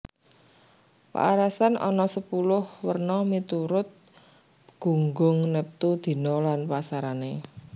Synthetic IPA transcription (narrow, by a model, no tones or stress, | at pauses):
pa̰ʔaɾasanʔɔnɔsəpulʊhwərnɔmit̪uɾʊt̪̚ | ɡ̥ṳŋɡʊŋnəp̚t̪ud̪̥i̤nɔlanpasaɾane